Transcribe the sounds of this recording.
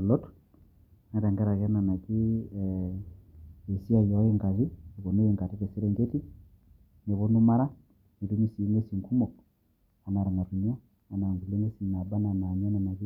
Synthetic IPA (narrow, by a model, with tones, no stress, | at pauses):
u˨lɔ˦tu̥ | na˨tɛ˨ŋɡɛ˦ɾa˨ɣɛ˦na˨na˨ki˦ | e˨si˦a˨jɔ˨˦e˦ŋka˨zi˦˨βo˨ne˦je˨ŋka˨ti˦ke˨si˦ɾɛ˦ɲɡe˦ti˦ | ne˨βo˦nu˦ma˦ɾa˦ | i˨tu˦ɲi˦si˨˦ŋɡe˦si˨ŋku˦mo˨k | a˨na˨ɾa˨ŋa˨ɾu˨ɲ˦ɔ˦ | a˨na˨nzi˨le˦ŋɡe˦si˨na˨ba˦na˨na˨ɲɛ˦na˨na˨ki˦